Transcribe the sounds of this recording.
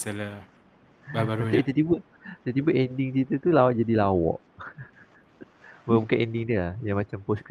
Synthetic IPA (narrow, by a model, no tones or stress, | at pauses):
sɛla | babaɾaait̪ət̪ibə | it̪ət̪ibəʔɛndɪŋt͡ʃit̪ət̪ulawaʔ̚d͡ʒadilawɔ̰ʔ | bəbukanɛndɪŋdiəlahjaŋmãt͡ʃamposkɾi